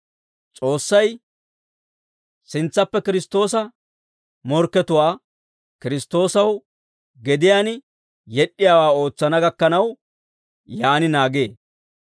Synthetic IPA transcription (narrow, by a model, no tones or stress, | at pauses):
t͡sʼo̞ːsːɐj | sɪnt͡sːɐpːɛkɪɾɪst̪o̞ːsɐ | mɔɾkːɛt̪ʊwaː | kɪɾɪst̪o̞ːsɐw | ɡɛd̪ɪjaːnɪ | jɛɗːɪjaːwaːo̞ːt͡sːɐnɐɡɐkːɐnɐw | jaːnɪnaːɡeː